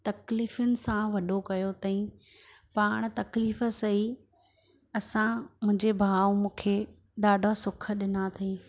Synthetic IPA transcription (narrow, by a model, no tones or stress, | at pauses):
t̪ɐkliːfʊnɪ̆sãʋɐɗʱokɐjot̪ɐĩ | paːɽ̃t̪ɐkliːfə̆sɐi | ɐsãmʊ̃ɪ̃ɲd͡ʑebʱaːʋmũːkʰe | ɗaːɖʱasʊkʰə̆ɗɪnat̪ʰɐĩ